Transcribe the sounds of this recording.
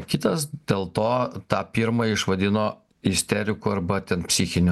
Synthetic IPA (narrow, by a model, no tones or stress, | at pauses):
kʲɪt̪ɐsd̪ʲeːlˠt̪oːt̪ɑːpʲiɾmɐɪʃʋɐd̪ʲɪnoː | ɪsʲt̪ʲɛɾʲɪkuɐɾbɐt̪ʲɛnpʲsʲixʲɪnʲʊ